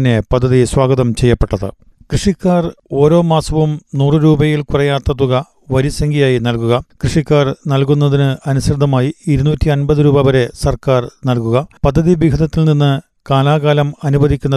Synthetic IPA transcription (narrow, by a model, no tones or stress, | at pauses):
nːe̞pɐd̪ʱːɐðiswaːɡɐðɐmt͡ɕe̞jːɐpːeʈːɐðɨ̰ | krɨʂikːaːro̞ːɾo̞ːmaːsɐʋumnuːrɨɾuːbɐjilkurɐjaːt̪ːɐt̪ːuɣɐ | ʋɐɾisɐŋɡijaːjinɐlkuɣɐkrɨʂikːaːrnɐlkunːɐðinɨɐnusrɨd̪ʱːɐmaːjiiɾunuːtːiɐnbɐðɨɾuːbɐʋɐɾe̞sɐrkaːrnɐlkuɣɐpɐd̪ʱːɐðibiɡʱɐðɐt̪ːilninːɨ | kaːlaːɣaːlɐmɐnubɐðikʲːunːɐ